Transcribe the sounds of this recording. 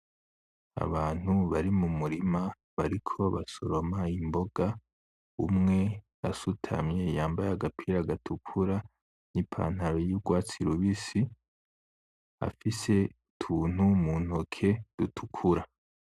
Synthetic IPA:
a̰βaːn̥huβaɾimumuɾima | βaɾikʰo̞βasoɾo̞maimbo̞ɡ̥a | ṵmŋe̞jasutʰa̰mje̞jaːmbajaɡapʰiɾaɡatʰukʰuɾa | nipʰa̰n̥haɾojuɡwaːt͡siɾuβisi | a̰fise̞ | tʰuːn̥humuːn̥okʰe̞d̥utʰu̥kʰuɾa

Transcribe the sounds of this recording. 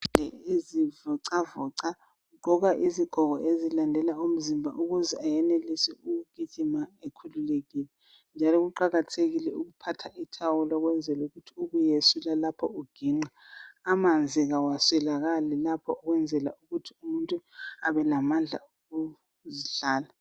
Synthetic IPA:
ɛezivɔǀavɔǀa | ɡ͡ǃʱɔɣaʔiziɡ̥ʱɔɣɔʔezilandʱɛlaum̩zimbʱa̰ʔuɣuzɛajɛnelisiuɣuɡ̥ʱiʒ̥ʱimaekʰululeɣilɛ | nd͡ʒʱalɔɣuǃaɣatʰeɣilɛuɣupʰatʰaʔitʰawulɔɣwɛnd͡zʱɛluɣutʰiuɣujesulalapʰɔuɡ̥ʱiŋ͡ǀaː | mand͡zʱiɣawaswɛlaɣalɛlapʰɔ̰ɔɣwɛnd͡zʱɛla̰uɣutʰiumuntʼuaβɛlamand͡ɮʱa̰oɣu | ziɬaːla

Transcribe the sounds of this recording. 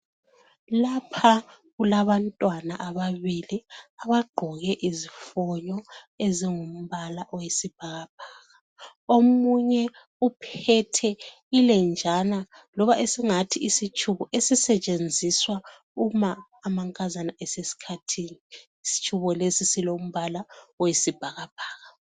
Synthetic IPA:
lapʰa | ɣulaβantʼwanaʔaβaβiliaβaɡ͡ǃʱɔɣɛʔizifɔɲɔ | eziŋum̩βalaʔɔwesib̥̚ʱaɣab̥̚ʱaːɣa | omuɲɛ | upʰɛtʰɛ | ilɛnd͡ʒʱana | lɔβaʔesiŋatʰiisit͡ʃʰʼuβɔʔesisɛt͡ʃʼend͡zʱiswa | umaː | maŋkʼazanaɛsesi̥kʰatʰiːniː | si̥t͡ʃʰʼuβɔlesisilom̩βalaɔjisib̥ʱaɣab̥ʱaːɣa

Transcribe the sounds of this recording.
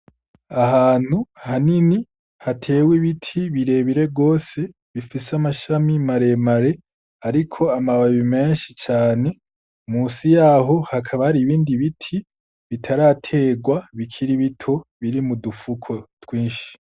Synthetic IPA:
aɦaːn̥huhanini | hatʰe̞ːwiβitʰiβiɾe̞βiɾe̞ɡo̞ːse̞ | βifiseamaʃamimaɾe̞maɾe̞ | aɾikʰo̞amaβaβime̞ːnʃit͡ʃaːne̞ | muːsijaːɦo̞hakʰaβahaɾiβiːndiβitʰi | βitʰaɾatʰe̞ːɡwaβikʰiɾiβitʰo̞βiɾimudufukʰo̞twiːnʃi̥

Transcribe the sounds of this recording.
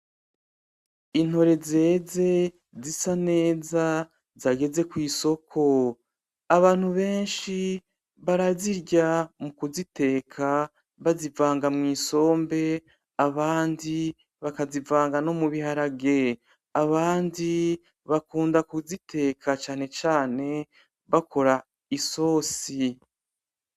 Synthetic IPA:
in̥ho̞ɾe̞ze̞ːze̞ | zisane̞ːza | zaɡe̞ze̞kwiːso̞kʰo̞ | aβaːn̥huβe̞ːnʃi | βaɾaziɾɟamukuzite̞ːkʰa | βazivaːŋɡamŋiːso̞ːmbe̞ | aβaːndi | βakazivaːŋɡano̞muβiɦaɾaɡe̞ | aβaːndi | βakuːndakuzitʰe̞ːkʰat͡ʃaːne̞t͡ʃaːne̞ | βakʰo̞ɾa | iso̞ːsi

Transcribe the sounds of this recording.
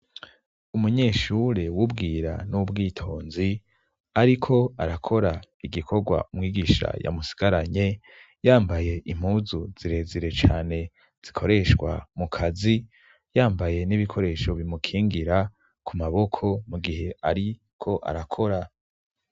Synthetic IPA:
umuɲeːʃuɾewubɡiːɾa̰nubɡiːtʰo̞ːnzi | aɾikʰo̞aɾakʰo̞ɾaiɡikʰo̞ɡwa̰umŋiːɡiʃa̰ja̰musi̥ɡ̥aɾaɲe̞ | jaːmbaje̞ʔim̥huːzuz̥iɾe̞ːzeɾe̞t͡ʃaːne̞ | z̥ikʰo̞ɾe̞ʃɡwa̰mukʰazi | jaːmbaje̞niβikʰo̞ɾe̞ːʃo̞βimukʰiːŋɡiɾa | kʰumaβo̞kʰo̞muɡihɦe̞ʔaɾi | kʰo̞ʔa̰ɾakʰo̞ɾa

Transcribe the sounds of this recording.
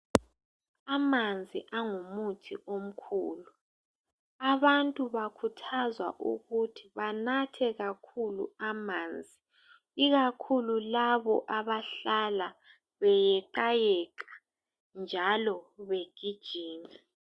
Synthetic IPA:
amand͡zʱiʔaŋumutʰḭʔom̩kʰuːlu | aβantʼuβakʰutʰazwa̰ʔṵɣutʰi̥βanatʰɛɣakʰulṵamaːnd͡zʱi | iɣakʰululaβɔʔaβaɬala | βɛjɛǃajɛkʼḁ | nd͡ʒʱalɔβeɡ̥ʱid̥ʒ̥ʱiːni

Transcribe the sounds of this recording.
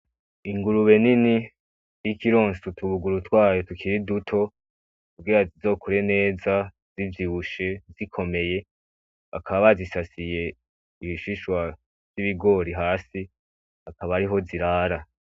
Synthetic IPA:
iŋɡuɾuβe̞nini | jikiɾo̞ːnsutuβuɡuɾutwaːjotukʰiɾidutʰo̞ | kubɡiɾazizo̞ːkʰuɾe̞ne̞ːza | ziviβuʃe̞zikʰo̞me̞je̞ | akʰaβaβazisasije̞ | iiʃiʃwa | z̥iβiɡo̞ɾiɦaːsi | akaβaɾiɦo̞ziɾaːɾa

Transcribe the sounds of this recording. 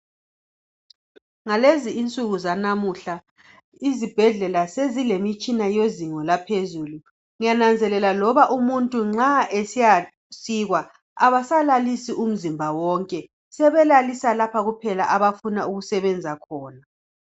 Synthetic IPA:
ŋaleziint͡sʼuɣuzanamuɬa | izib̥ʱɛɮɛlasezilemit͡ʃʼinajoziŋɔlapʰezuːlu | ŋijanand͡zʱɛlɛlalɔβaʔumuntʼuŋ͡ǁaʔesija | siɣwa | aβasalalisiʔum̩zimbʱawɔŋkʼɛ | sɛβɛlalisalapʰaɣupʰɛla̰ʔaβafunauɣusɛβɛnd͡zʱakʰɔːna

